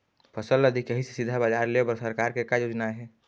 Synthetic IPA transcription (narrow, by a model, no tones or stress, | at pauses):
pʰəsəlːəd̪ʱikjəɦise̥sɪd̪ʱːabad͡ʒaɾlebəɾsəɾkaːɾkekajoːd͡ʒnaɦɛː